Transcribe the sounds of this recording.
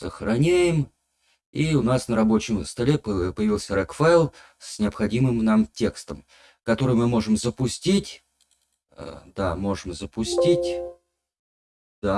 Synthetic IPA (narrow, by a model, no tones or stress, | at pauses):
səxɾɐnʲæjɪm | iʊnasnəɾɐbo̞t͡ɕɪmst̪ɐlʲeppəjɪvʲilˠsʲəɾakfaɪlˠ | sʲnʲɪɐpxɐdʲimɨmnamtʲe̞kst̪əm | kɐt̪o̞ɾɨjmɨmo̞ʐɨmzəpʊsʲtʲitʲ | ə̰d̪a̰mo̞ʐɨmzəpʊsʲtʲitʲ | d̪̥a